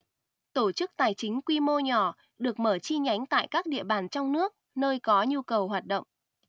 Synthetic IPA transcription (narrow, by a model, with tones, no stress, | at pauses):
t̪o˧˩t͡ɕɨ˦˥k̚t̪aː˨˩jt͡ɕï˨˦ŋ̟kwi˧mo˧ɲɔ˧˩ | ɗɨ˨˩ək̚məː˧˩t͡ɕi˧ɲa˨˦jŋ̟t̪a̰ː˧˨jkaː˦˥k̚ɗḭ˧˨əɓaː˧˩nt͡ɕɔ˧wŋ͡mnɨ˦˥ək̚nəː˧jkɔ˨˦ɲu˧kə˨˩wɦwaː˨˩t̚ɗə̰˧˨wŋ͡m